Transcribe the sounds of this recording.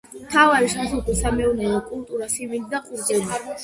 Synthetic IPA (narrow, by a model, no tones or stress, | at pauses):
mt̪ʰavaɾiʃasɔkɔsamɛɔnɛvɔkʼulˠt̪ʼuɾasimind̪aqʼuɾɡɛli